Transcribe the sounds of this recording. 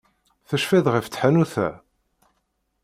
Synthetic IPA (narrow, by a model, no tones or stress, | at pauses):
θəʃfæðʁəft͡sːħanuθæ̰